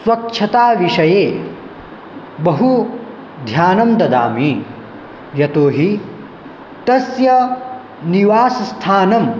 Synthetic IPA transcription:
sʋɐkʂʰɐt̪aːʋiʂɐjeː | bɐɦu | d̪ʱjaːnɐmd̪ɐd̪a̰ːmi | jɐt̪oːɦi | t̪ɐsjɐ | niʋaːsɐst̪ʰaːnɐm

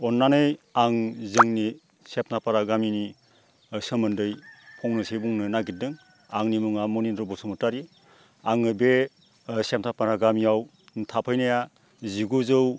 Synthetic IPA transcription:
ɔnːanɯjaŋzɯŋni | sep̚napaɾaɡamini | sɯmɯndɯjpʰɔŋnɯsejbuŋnɯnaɡit̚dɯŋ | aŋnimɯŋamɔninɾɔbɔsumɯtaɾi | aŋɯbe | sep̚ntʰapaɾaɡamiaw | ntʰapʰɯjnaja | ziɡuzɯw

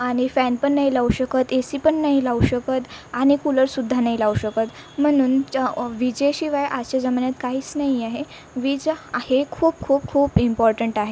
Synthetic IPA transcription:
aɽ̃ifɛnpəɳːaɦilauɕəkət̪esipəɳːaɦilauɕəkət̪aɽ̃ikuləɾsud̪ʱːanaɦilauɕəkət̪ | m̤əɽ̃uːnʋid͡ʑeɕiʋajʔaɕed͡zəmanjat̪kaɦiːt͡snaɦiaɦe | ʋid͡zahekʰuːp̚kʰuːp̚kʰuːpimpɔɾʈəɳʈaɦe

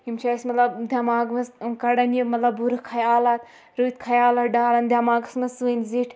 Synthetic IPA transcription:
imt͡ʃʰaːsmɐt̪lɐbd̪ʱjɐmaːɡmɐskɐɽɐnʲimɐt̪lɐbbuɾɨkʰɐjaːlat̪̚ | ɾuit̪̚kʰɐjaːlɐt̪ɖaːlɐnd̪jɐmaːɡɐsmɐsuənziʈʰ

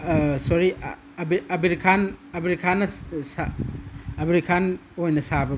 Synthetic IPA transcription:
sɔɾi | bɐbiɾikʰanɐbiɾikʰanɐsa | ɐbiɾikʰanojnɐsabɐ

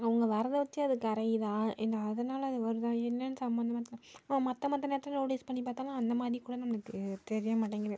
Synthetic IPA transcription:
ɐʊŋɡɐʋɐɾɐðɐʋɐt͡ʃːɯɐðɯkɐɾɐjɪðãːʔɪnːɐːðɐnaːlɐɐðɯʋɐɾɯðãːɛnːɐnɯsɐmbɐnd̪ɐmɐːt̪ːɪlɐmɐt̪ːɐ̃mɐt̪ːɐneːɐt̪ːɾɐnoːʈiːspɐɳːip̬aːɾt̪aːŋɡaːɐnd̪ɐmaːðɾikːuːɽɐnɐmːɐɭɯkːɯt̪ɛɾɪjɐmaːʈːɐŋɡɪɾẽː

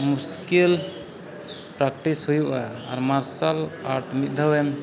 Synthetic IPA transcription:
muskil | pɾakʈisɦujuʔaa̰ɾmaɾsalaɾʈʰmit̪̚d̪ʱəwem

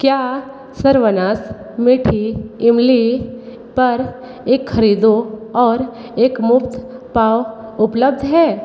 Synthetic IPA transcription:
kjaː | sɐɾʋənaːs | mɪʈʰiɪmli | pɐɾ | eːkxɐɾiːd̪oɔːɾ | eːkmʊpt̪paːwʊpləb̚d̪ʱɦɛː

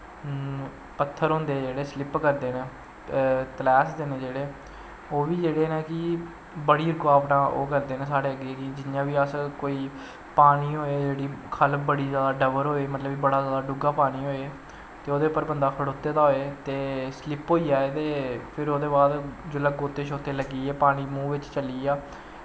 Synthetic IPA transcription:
pət̪ʰːəɾɦʊ̃nd̪eːd͡ʒeːɽeːslɪpkəɾd̪eːneː | t̪əlɛːsd̪eːneːd͡ʒeːɽeː | oːʋiːd͡ʒeːɽeːneːkɪ | bəɽiːɾʊkaːpnaːʔo̰ːkəɾd̪eːnẽːsaːɽeːəɡekɪd͡ʒɪnjãːʋiːəskoːiː | paːniːɦoːeːd͡ʒeːɽiːkʰəlbəɽiːzjaːd̪aːɖəʋəɾɦoːeːmət̪ləbiːbəɽaːzjaːd̪aːɖʊɡaːpaːniːɦoːeː | t̪eːoːd̪eːpːəɾbənd̪aːkʰəɽoːt̪ːeːd̪aːɦoːeːt̪eːslɪpɦoːiːaːeːt̪eːpʰɪɾoːd̪eːbaːd̪d͡ʒʊlaɡoːt̪eːʃʰoːt̪eːləɡiːɛːpaːniːmũːʋɪt͡ʃt͡ʃəliːaː

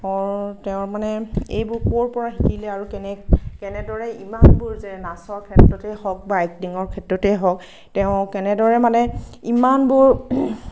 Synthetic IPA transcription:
ɔɹtɛʊ̃ɹmanɛḛjbʊɹkoɹpɔɹaɦikilɛaɹukɛnɛkɛnɛdɔɹɛimanbʊɹzɛnasɔɹkʰɛtɹɔtɛhɔk̚baɛk̚diŋɔɹkʰɛtɹɔtɛɦɔk | tɛʊ̃kɛnɛdɔɹɛmanɛimanbʊɹ

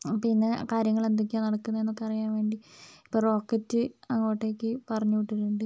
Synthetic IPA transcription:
pinːe̞kaːɾjɐŋːɐɭend̪ikʲːaːnːɐɽɐkːunːɐenːo̞kːeɐrijaːnʋe̞ːɳɖiipːo̞ːro̞ːkːɐtːɨɐŋːoːʈːekːɨpɐrɐɲːuʋiʈːiɾuɳɖɨ

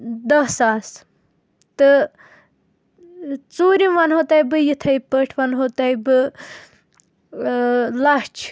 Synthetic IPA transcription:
d̪ɐsaːs | t̪ɨ | t͡soːɾimʋɐnɦot̪ɐjbɨjit̪ʰɐjpəʈʰʋɐnɦot̪ɐjbɨ | lɐht͡ʃʰ

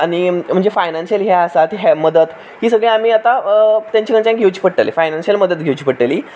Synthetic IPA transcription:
aɽ̃im̤əɳd͡zefajnanɕiəlɦɛəsat̪ɦɛməd̪ət̪ | ɦiːsəɡɭẽam̤iːat̪at̪jãɲt͡ɕakəɳt͡ɕãŋɡʱewt͡ɕiːpəɽʈḛlḛfajnanɕiəlməd̪ət̪ɡʱewt͡ɕiːpəɽʈeliː

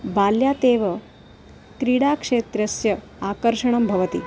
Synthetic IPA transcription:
baːljat̪eːʋə | t̪ɾiɽakʂet̪ɾɐsjɐ | akəɾʃɐɳ̃ɐmbʱɐʋət̪i

